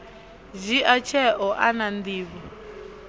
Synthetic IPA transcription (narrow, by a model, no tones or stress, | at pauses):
ʒiʔat͡ʃʰɛʔɔʔanand̪iːβɔ